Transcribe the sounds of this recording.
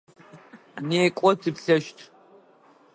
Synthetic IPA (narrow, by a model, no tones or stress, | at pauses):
anekʷʼɔtʰɨpɬɐʃtʰ